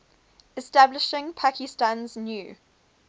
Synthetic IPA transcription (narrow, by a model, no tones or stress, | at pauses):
ɪstablɪʃɪ̃ŋpʰakɪstãnznjuː